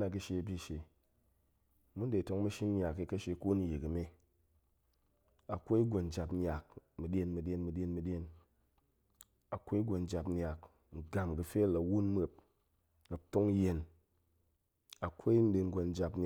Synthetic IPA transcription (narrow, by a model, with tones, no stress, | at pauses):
na˧ɡɨ˧ʃe˧˨bʲi˧ʃe˨ | mu˦n˦de˨to˧˦ŋmu˦ʃi˦n˦ɲa˨ki˧kɐ˦ʃe˧ku˦n˦ji˨ki˨me˦ | a˨kʷo˦i˦ɡʷo˨n˦d͡ʒa˧pɲʲa˨k̚mɨ˨ɗʲe˧nmɨ˧ɗʲe˦nmɨ˧ɗʲe˦nmɨ˧ɗʲe˧n | a˨kʷo˦i˦ɡʷo˧n˦d͡ʒa˧pɲʲa˨k | ŋ̩˨ɡa˨mɡɨ˨fe˦la˨˦wu˦nme˨p̚ | na˨to˦ŋ˦je˧n | a˨kʷo˦i˦n̩˦de˧n˦ɡʷo˧n˦d͡ʒa˧pn